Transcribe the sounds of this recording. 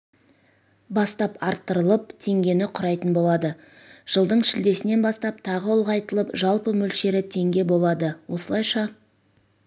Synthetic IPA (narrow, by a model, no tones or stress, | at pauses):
bɑst̪ɑpɑɾt̪ːəɾəlˠəp̚t̪ʰe̞ŋɡʲe̞nɪqʰʊɾɑjt̪ənbo̞lˠɑd̪ə | ʒ̥əlˠd̪əɴʃɪld̪e̞sɪne̞nbɑst̪ɑp̚t̪ʰɑʁəʊlˠʁɑjt̪əlˠəpʒɑlˠpəmɵlʃe̞ɾɪt̪ʰe̞ŋɡʲe̞bo̞lˠɑd̪əwo̞səlˠɑjʃɑ